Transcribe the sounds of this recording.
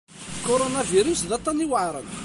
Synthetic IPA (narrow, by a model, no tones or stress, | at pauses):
kːoɾonaviɾusðɑt̪ˤːɑniwəʕɾˤə̰n